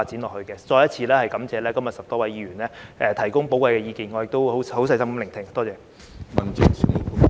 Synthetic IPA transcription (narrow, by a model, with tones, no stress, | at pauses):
aː˧t̚t͡si˨˥nlɔː˨˩khɵ˧kɛː˧t͡ʃɔː˧jɐ˥t̚t͡sʰiː˧lɛː˥hɐ˨jkɐ˨˥mt͡sɛː˨˧lɛː˥kɐ˥mjɐ˨tsɐ˨˩p̚t̪ɔː˥wɐ˨˧jiː˨˧ɥyː˨˩nlɛː˥ʔɛː˨˧t̪ʰɐ˨˩jkʊ˥ŋpo˨˥wkʷwɐ˧jkɛː˧jiː˧kiː˨nŋɔː˨˧jɪ˨k̚t̪o˥who˨˥who˨˥wsɐ˧˥jsɐ˥m˥lɪ˨˩ŋt̪ʰɪ˨ŋt̪ɔː˥t͡sɛː˨˧ | mɐ˨nt͡sɪ˨sy˧˥˨